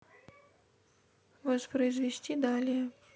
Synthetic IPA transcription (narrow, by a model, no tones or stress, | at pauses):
vɐspɾɐjzvʲesʲt͡sʲid̪alʲijɛ